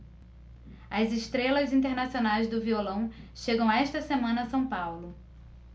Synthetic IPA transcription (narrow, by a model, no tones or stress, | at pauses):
ɐzɪʃt̪ɾelɐzĩnt̪̬eɾnasionajzd̪ʊviolɐ̃w̃ʃeɡɐ̃w̃aɛʃt̪ɐsemɐ̃nɐːsɐ̃w̃pawlʊ